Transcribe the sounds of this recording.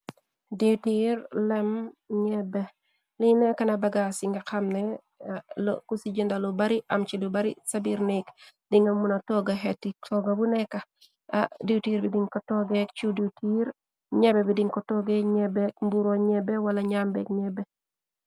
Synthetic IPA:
detiɾlɛmɲɛbe | linɛkɐnabaɡasiŋɡakamne | lokusid͡ʒindalubaɾiʔɐmt͡ʃidubaɾisabiɾnikdiŋamːunatɔɡaɦetik̚tɔɡabunɛkːa | a̰ditiːɾbidiŋkɔtɔɡekt͡ʃuditʰiɾ | ɲɛbebidiŋkɔtɔɡekɲɛbek̚mbuɾoɲɛbewɐlɐɲambɛkɲɛbe

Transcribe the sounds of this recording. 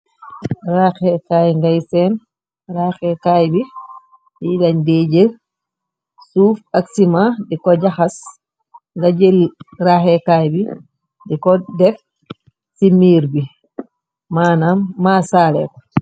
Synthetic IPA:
ɾaːxɛkajŋɡajsɛn | ɾaːxɛkajbi | dilaɲded͡ʒel | sufaksimadikɔd͡ʒaxas | ŋɡad͡ʒelraxɛkajbi | dikɔdɛf | simiɾbi | manamːasaːlɛ̰kɔ

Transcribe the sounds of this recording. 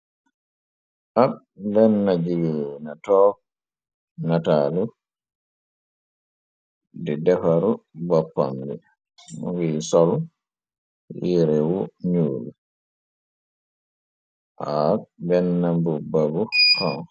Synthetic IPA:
ʔa | bɛnːad͡ʒiɡinatɔː | natalu | dɛdɛfaɾubɔpːa̰mbɛ | wiːsɔl | jiɾɛwuɲuːlu | ʔabɛnːambubːabuhɔn

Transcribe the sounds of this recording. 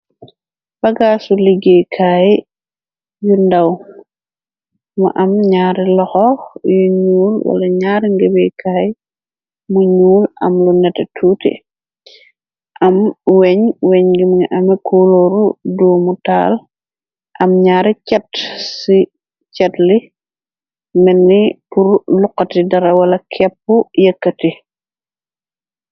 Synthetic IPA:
bɐɡaːsuliɡɛkʰaːj | jundaw | ma̰ʔɐmɲaːɾilɔxɔxjuɲuːlwɐ̰lɐɲaːɾiŋɡɛbɛkʰaːji | muɲuːlʔɐ̰mlunɛtɛtʰuːtḭ | ʔɐmwɛɲwɛɲɡimŋɛʔɐmɛkʰuːlɔɾudɔːmuta̰ːl | ʔɐmɲaːɾicɛtsi | cɛtli | mɛnːipuɾluqːɐtidɐɾɐwɐlɐkʰɛp̚ːujəkːɐti

